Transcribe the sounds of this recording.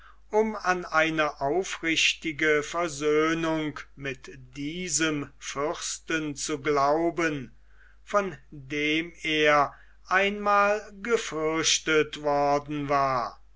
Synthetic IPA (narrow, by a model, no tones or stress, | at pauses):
ʔʊmanaɪnəʔaʊfʁɪʃtɪɡəfɛɐzøːnʊŋkmɪtd̥iːzəmfʏʁstənt͡suɡlaʊbən | fɔndeːmeːɐ | ʔaɪnmaːlɡəfʏɐʃtətv̥ɔɐdn̩vaːɐ